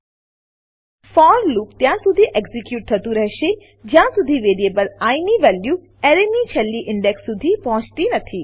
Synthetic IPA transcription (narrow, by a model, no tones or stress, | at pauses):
fɔːɾluːpt̪jãːsʊd̪ʱiʔeɡzɪkjuːʈ̚t̪ʰɐt̪uɾɐɦʃe | d͡ʒjãːsʊd̪ʱiʋeːɾieːbəlaːiniʋɛːlju | ɛɾenit͡ʃʰɐlːiʔɪ̃ɳɖeksːʊd̪ʱipɐɦʊ̃t͡ʃt̪inɐt̪ʰi